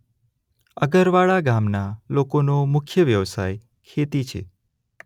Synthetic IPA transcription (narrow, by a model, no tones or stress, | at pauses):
əɡəɾʋaɭaɡamnalokonomʊkʰjəʋjəʋsa̰j | kʰet̪it͡ʃʰḛ